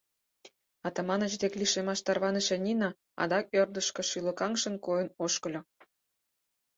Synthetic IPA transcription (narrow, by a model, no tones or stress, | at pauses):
ɑt̪ɑmɑnə̆t͡ɕd̪ekliʃemɑʃt̪ɑrβɑnə̆ʃenʲinɑ | ɑ̰d̪ɑk̚ørd̪əʃkɤ̆ʃylə̆kɑŋʃə̆nkojənoʃkə̆lʲo